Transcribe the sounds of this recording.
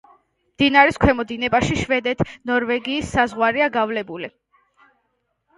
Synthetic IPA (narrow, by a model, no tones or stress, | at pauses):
md̪̥inaɾiskʰwɛmɔd̪inɛbaʃiʃvɛd̪ɛt̪ʰnɔɾvɛɡiːsːazʁwaɾiaɡavlɛbuli